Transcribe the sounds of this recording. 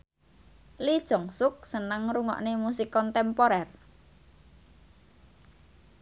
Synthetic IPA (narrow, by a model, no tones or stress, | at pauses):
lid̥ʒ̥ɔ̤ŋsʊk̚sənəŋruŋɔ̰ʔnemusikɔnt̪ɛmpoɾɛr